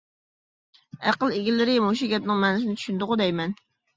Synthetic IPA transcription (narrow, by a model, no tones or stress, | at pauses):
æqəlˠeɡʲɪlːɪɾɪmoʃuɡʲɛt̪̚nɪŋmɛnɪsɪnɪt̪ʰy̥ʃynd̪ʊʁʊd̪ɛjmɛn